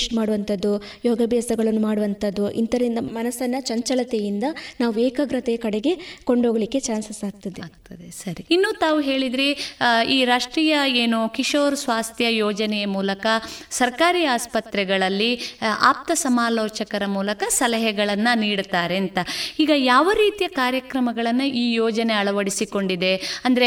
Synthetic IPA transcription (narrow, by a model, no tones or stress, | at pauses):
ʂʈmaːɽuʋɐnt̪ɐd̪ːu | joːɡɐbʱjaːsɐɡɐɭɐnːumaːɽuʋɐnt̪ɐd̪ːuʔḭnt̪ɐɾind̪ɐmɐnɐsɐnːɐt͡ʃɐɲt͡ʃɐlɐt̪ejind̪ɐnaːʋueːkɐɡɾɐt̪eɐkɐɽeɡe̞ko̞ɳɖoːɡɐlikːe̞t͡ʃaːnsɐsaːɡ̚t̪ɐd̪eɡt̪ɐd̪esɐɾiinːuːt̪aːʋuɦe̞ːɭid̪ɾiiːɾaːʂʈɾiːjɐeːnukiʂoːɾsʋaːst̪ʰjɐjoːd͡ʒɐnɛjɐmuːlɐkɐsɐɾkaːɾiːaːspɐt̪ɾɛɡɐɭɐlːiʔaːp̚t̪ɐsɐmaːloːt͡ʃɐkɐɾɐmuːlɐkɐsɐlɐɦɛɡɐɭɐnːɐniːɽt̪aːɾeːnt̪ɐiːɡɐjaːʋɐɾiːt̪ijɐkaːɾjɐkɾɐmɐɡɐɭɐnːuʔiːjoːd͡ʒɐneɐɭɐʋɐɽisiko̞ɳɖid̪e̞ɐnd̪ɐɾe